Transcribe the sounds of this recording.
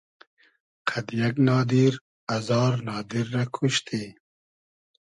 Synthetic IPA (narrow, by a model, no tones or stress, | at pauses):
qʰad̪jaknɑːd̪iɾ | ɐzɑːɾnɑːd̪iɾːakʰuʃt̪ʰi